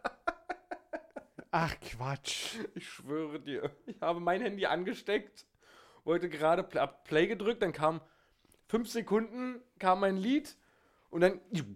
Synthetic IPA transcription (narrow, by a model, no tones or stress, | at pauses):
ʔaχkʰv̥at͡ʃʔɪçʃv̥øːʁədiːɐʔɪçhaːbəmaɪnhɛndiʔa̰nɡəʃtɛkt | vɔltəɡəʁaːɾəappl̥eːɡədʁʏk̚t̚d̥ankʰaːm | fʏnfz̥ekʰʊndn̩kʰaːmːaɪnliːt | ʔʊntd̥an